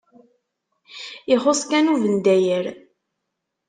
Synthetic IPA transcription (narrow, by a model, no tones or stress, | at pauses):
ɪχoskænuvənd̪æjəɾ